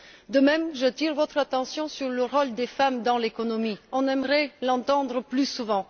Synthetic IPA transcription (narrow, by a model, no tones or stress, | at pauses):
d̪əmɛmʒət̪iʁvɔt̪χat̪ɑ̃sjɔ̃syʁləʁɔld̪efamd̪ɑ̃lekɔnɔmiɔ̃nɛmʁɛlɑ̃t̪ɑ̃d̪ʁəplysuvɑ̃